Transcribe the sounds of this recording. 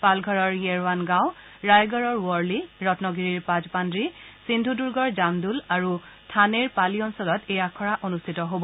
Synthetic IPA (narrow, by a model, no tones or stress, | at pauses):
palɡʱɔɹɔɹjɛɹwanɡãw̃ | ɹajɡɔɹɔɹwɔɹliɹɔtnɔɡiɹiɹpazpandɹisindʱuduɹɡɔɹzamdulaɹu | tʰaneɹpaliɔnsɔlɔtejakʰɔɹaʔonustʰitɔɦobɔ